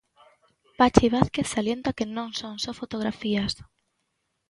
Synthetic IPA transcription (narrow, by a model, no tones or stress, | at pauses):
pat͡ʃiβ̞aθkeθsaljent̪akenõŋsoŋsɔfot̪oɣ̞ɾafias